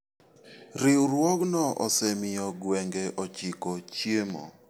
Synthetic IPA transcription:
ɾɪwɾwɔknɔʔɔ̰sɛmɪjɔɡwɛŋɡɛʔɔt͡ʃɪkot͡ʃjemɔ̰

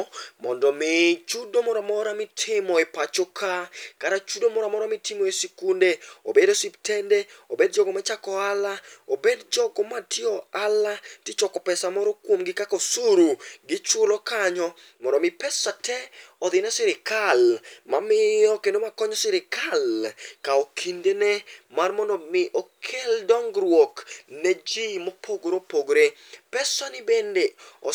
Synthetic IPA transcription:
mɔndɔmɪt͡ʃudomɔɾɔmɔɾamɪtʰɪmɔepat͡ʃokʰakaɾat͡ʃudomɔɾamɔɾamɪtɪmɔesikundeo̰bedosiptʰɛndeobedd͡ʒɔɡɔmat͡ʃakɔalaobedd͡ʒɔɡɔmatʰɪɔalatɪt͡ʃɔkɔpɛsamɔɾɔkwomɡɪkakosuɾuɡɪt͡ʃʊlɔkaɲɔ | mɔɾɔmɪpɛsatʰɛɔd̪ɪnɛsɪɾɪkalmamɪɔkendomakɔɲɔsɪɾɪkalkaokʰindenɛmarmɔndɔmɪʔokʰeldɔŋɡɾwoknɛd͡ʒimopʰoɡɾopoɡɾe | pɛsanɪbendeɔ

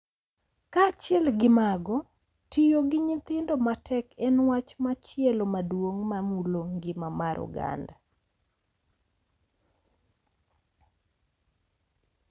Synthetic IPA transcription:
kat͡ʃjɛlɡɪmaɡɔ | tijoɡɪɲɪt̪ɪndomatʰɛkɛnwat͡ʃmat͡ʃɪɛlomadwoŋmamuloŋɡɪmamaɾʔṵɡa̰nda

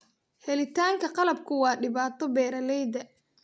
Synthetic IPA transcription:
hɛlɪt̪ʰaːŋkʰɐqɑlɐb̚kʰʊwɑːɖɪβaːt̪ʰɔbɛːɾɐlɛjd̪ɐ

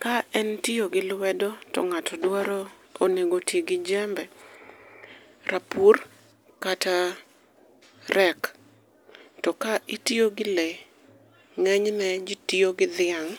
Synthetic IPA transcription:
kaɛntioɡɪlwɛdɔtɔ̰ŋatʰɔdwaɾɔ | oneɡotjeɡɪd͡ʒɛmbɛ | rapur | kata | rɛk | tɔkaʔitioɡɪle | ŋɛɲnɛd͡ʒitioɡɪd̪ɪaŋ

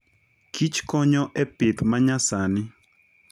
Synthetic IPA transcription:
kʰit͡ʃkɔɲɔʔɛpɪt̪maɲasanɪ

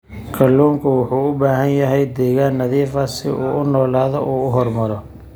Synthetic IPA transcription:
kʰɐlːuːŋkʰʊwʊħuːʊbaːɦɐnjɐɦɛjd̪ɛːɣaːnːɐðiːfɐsɪ̰ʔuːʔʊnɔːlaːðɔʔuːʊɦɔrmɐɾɔ

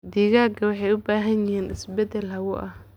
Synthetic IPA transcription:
d̪iːɣaːɡʰɐwɑħɑjʊbaːɦɐnjɪɦiːnʔɪsbɛd̪ɛlɦɐɣʊʔɐh

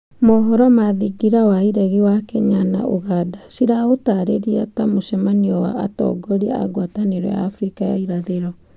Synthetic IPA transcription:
moɦɔɾɔmaðiɡiɾawaiɾɛɣiwakɛɲana̰ʔoɣadasiɾaotaɾeɾiatamoʃɛmaniɔwa̰ːtɔ̰ɡɔɾia̰ɡwataneɾɔ̰ja̰ːfɾikaja̰iɾaðeɾɔ

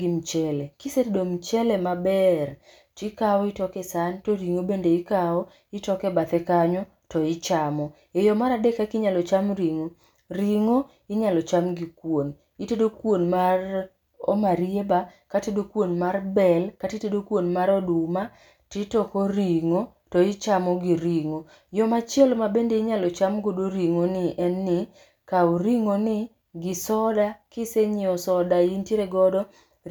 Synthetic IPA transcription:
ɡimt͡ʃɛlɛkisetdomt͡ʃɛlɛmabɛr | tɪkawɔɪtɔkɛsantoɾiŋobendeikaɔ | ɪtɔkɛbat̪ɛkaɲɔ | tɔɪt͡ʃamɔ | ejɔmaɾadekakɪɲalɔt͡ʃamɾiŋo | ɾiŋo | ɪɲalɔt͡ʃamɡikwon | itedokwonmar | ɔ̰maɾiebakatedokwonmarbɛlkatitedokwonmaɾɔduma | titɔkoɾiŋo | tɔit͡ʃamɔɡiɾiŋo | jɔmat͡ʃɛlmabendeɪɲalɔt͡ʃamɡodoɾiŋonɪʔɛnːɪ | kauɾiŋonɪ | ɡɪsɔdakɪseɲɪɔsɔdaintjeɾeɡɔdɔ

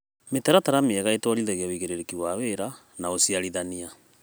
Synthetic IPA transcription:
metɛɾataɾameɛɣaetɔɾiðɛɣeoiɣeɾeɾekiwaweɾa | naosiaɾiðania

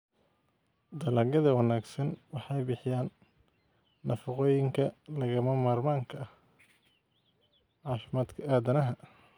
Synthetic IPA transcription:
d̪ɐlɐːɡɐðɐwɑnaːɡsɐnwɑħɑjbɪħɪjaːn | ɐfɐqɔːjɪŋkʰɐlɐɣɐmɐmaːrmaːŋkʰɐɐh | ʕɑːfɪmaːd̪kʰɐʔaːd̪ɐnɐɦɐ

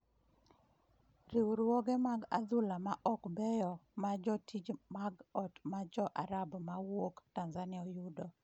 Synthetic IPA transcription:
ɾiwɾwɔɡɛmaɡa̰d̪ʊlamaʔɔkbɛjɔmad͡ʒɔtʰid͡ʒmaɡɔtmad͡ʒɔʔaɾabmawoktanzanɪɔjudɔ

